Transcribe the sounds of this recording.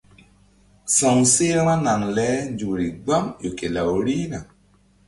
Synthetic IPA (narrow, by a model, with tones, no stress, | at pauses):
sɔ˨ŋse˦ɾa˦ma˦na˨ŋlɛ˨˦nd͡ʒu˨ɾi˨ɡ͡ba˦mjo˨ke˨la˨wɾi˦na˨